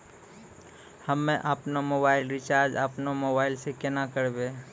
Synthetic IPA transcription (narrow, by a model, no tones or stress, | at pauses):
hɐmːẽʔapnamoːbaːɪlɾɪt͡ʃaːɾd͡ʒapnamoːbaːɪlsekɛnakəɾbeː